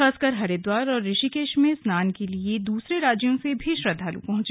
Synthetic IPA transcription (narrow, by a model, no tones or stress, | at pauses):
aːskəɾɦɐɾed̪waːɾɔːɾːɪʃikeːʃmẽsnaːnkelied̪uːsɾeɾaːd͡ʒjõsebʱiʃɾɐd̪ʱaːlṵpɐ̃ɦʊ̃t͡ʃː